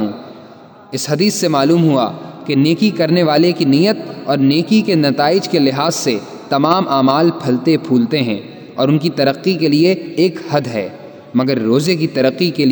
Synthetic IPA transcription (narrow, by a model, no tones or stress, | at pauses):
ũ | ɪsɦɐd̪iːsːemaːluːmɦua̰keneːkikɐɾneʋaːlekinijət̪ɔːɾneːkikenɐt̪aːɪd͡ʒkelɪɦaːzse | t̪ɐmaːmʔaːmaːlpʰɐlt̪epʰuːlt̪eɦɛ̰̃ː | ɔ̰ːɾʊnkit̪ɐɾəqːikelieːkhɐd̪ɦɛ̰ː | mɐɡəɾːoːzek̬it̪ɐɾəqːikel